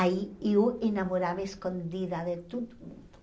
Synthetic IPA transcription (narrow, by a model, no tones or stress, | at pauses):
aieuenamoɾaβeskond̪iðaðet̪ut̪umund̪